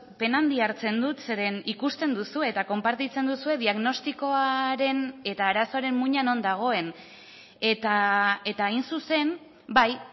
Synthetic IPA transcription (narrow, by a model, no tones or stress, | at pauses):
pe̞nand̪iaɾt͡se̞nd̪ut̪se̞ɾe̞nikust̪e̞nd̪usue̞ːt̪ako̞mpaɾt̪it͡se̞nd̪usue̞ðiaɣno̞st̪iko̞aɾe̞ne̞t̪aːɾaso̞aɾe̞mmuɲano̞nd̪aɣ̞o̞e̞n | e̞t̪ae̞t̪ainsuse̞n | baj